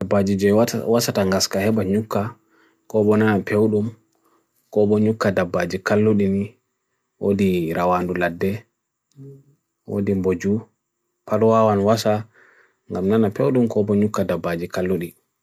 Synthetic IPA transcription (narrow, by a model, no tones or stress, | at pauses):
dabːad͡ʒid͡ʒɛwasataŋɡaskahɛɓaɲukːa | kɔbɔnanapʰewɗum | kɔbɔɲukːadabːad͡ʒikalːuɗini | wʔo̰diɾʔawanduladːɛ | wo̰dimbod͡ʒu | palwawanwasa | ŋɡamnanapewɗumkɔbɔɲukːadabːad͡ʒikalːuɗi